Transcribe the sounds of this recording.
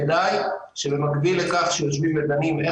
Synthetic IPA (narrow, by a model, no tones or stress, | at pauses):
d̪aj | ʃebemakbilekaχʃejot͡svimed̪anime